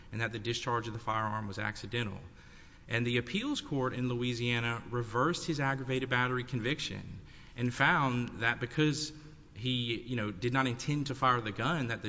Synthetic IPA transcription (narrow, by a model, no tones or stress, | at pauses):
ɨ̃nðɨt̪̚ðɨdɨst͡ʃʰɑɹd͡ʒʌvðəfaɪə˞ɑɹmwʌzæ̰ksɨdɛ̃ɾ̃l̩ˠ | ʔɨ̃nðiɨpʰilˠz̥kʰɔɹɾɨ̃nluiziæñɨɹɨvɜ˞st̚hɨzæɡɹɨveɪɾɨd̚bæɾə˞ikʰɨ̃ɱvɪkʃɨ̰̃n | ʔɨ̃nfãʊ̃nðɨt̚b̥ɨkʰʌz̥ | ijɨñoʊdɨdⁿnəɾɨ̃ntʰɛ̃ntʰɨfaɪə˞ðɨɡʌ̃nðɨt̪̚ðɨ